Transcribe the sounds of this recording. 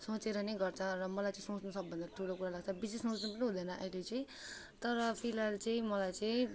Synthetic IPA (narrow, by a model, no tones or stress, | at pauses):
sõt͡seɾʌnejɡʌrt͡sʰʌrʌmʌlajt͡sʌĩsõt͡snusʌk̚bʱʌnd̪atʈʰulokuɾalaɡt͡sʰʌbisesõt͡snupniɦũd̪ʌnʌʔʌ̰ilet͡sʌĩ | t̪ʌɾʌpʰilalt͡sʌĩmʌlajt͡sʌĩ